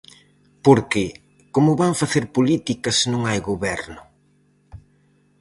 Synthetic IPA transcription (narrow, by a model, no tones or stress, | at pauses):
poɾkɪ | komʊβaɱfaθeɾpolit̪ikɐsnõŋajɣoβɛɾnʊ